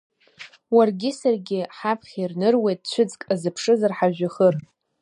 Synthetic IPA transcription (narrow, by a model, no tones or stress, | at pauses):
warɡʲɪsarɡʲɪħapʰχʲirnɨrwe̞jtʼt͡ɕʷʰʊd͡zkʼazɨpʰʂɨzarħaʒᶣaχər